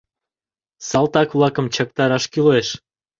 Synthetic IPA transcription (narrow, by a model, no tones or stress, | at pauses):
sɑlˠt̪ɑkβlˠɑkə̆mt͡ɕɑk̚t̪ɑɾɑʃkyleʃ